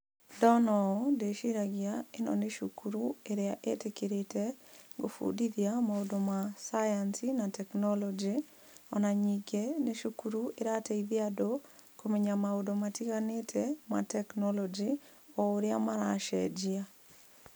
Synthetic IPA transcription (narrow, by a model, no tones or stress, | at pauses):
dɔnɔdeʃiɾaɡɪaenɔ̰neʃukuɾueɾɛa̰ʔḛtekiɾɪtʰeɡo̰fo̰didjamaodomasajansinatɛknɔlɔd͡ʒi | ɔnaɲiɡeneʃukuɾueɾateiðjadokomeɲamaodomatikanetʰema̰tɛknɔlɔd͡ʒiɔoɾja̰maɾaʃɛd͡ʒia